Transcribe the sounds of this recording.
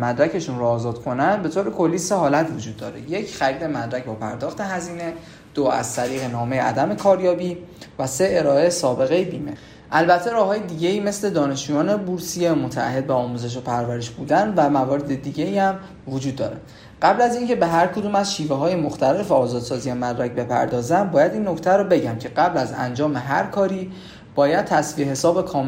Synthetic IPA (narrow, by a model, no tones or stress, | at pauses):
mæd̪ɾæce̞ʃunɾoɒːzɒːd̪̥kʰo̞nænd̪be̞t̪ʰoːɾekʰo̞lːiːseɦɒːlæt̪ʰvo̞d͡ʒuːd̪ːɒːɾeje̞cʰχæɾiːd̪e̞mæd̪ɾæcʰbɒpʰæɾd̪ɒːxt̪ʰe̞ɦæziːne̞ | d̪̥oæ̰z̥t̪ʰæɾiːɣe̞nɒːme̞jeʔæ̰d̪æme̞kʰɒːɾjɒːbiːvæseeɾɒːesɒːbe̞ɣe̞jebiːme̞̰ | ʔælbæt̪ʰːe̞ɾɒːhɒːjed̪iɟe̞iːmesle̞d̪ɒːne̞ʃd͡ʒujɒːne̞buɾsijemo̞t̪ʰææ̰hːe̞d̪̚beɒːmuze̞ʃ̬opʰæɾvæɾeʃbuːd̪ænvæmævɒːɾe̞d̪ed̪iɟe̞iːæm | vod͡ʒud̪ːɒ̰ːɾe | ɢæblæzincʰe̞be̞ɦæɾkʰod̪uːmæzʃiːveɦɒːjemoxt̪ʰæle̞feɒːzɒːd̪̥sɒːzijemæd̪ɾæc̚be̞pʰæ̰ɾd̪ɒːzæmbɒːjæd̪iːnːo̞cʰt̪ʰæɾɔbe̞ɟæmcʰe̞ɢæblæzæ̰nd͡ʒɒːme̞ɦæ̰ɾkʰɒːɾiː | b̥ɒːjæd̪̚t̪ʰæsviehe̞sɒːbekʰɒːm